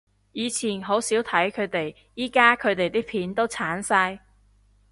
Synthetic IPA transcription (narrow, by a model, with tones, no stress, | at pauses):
jiː˨˧t͡sʰiː˨˩nɦo˨˥wsiː˨˥wt̪ʰɐ˨˥jkʰɵ˨˧ɥt̪e˨j | jiː˥kaː˥kʰɵ˨˧ɥt̪e˨jt̪iː˥pʰiː˨˥nt̪o˥wt͡sʰaː˨˥nsaː˧j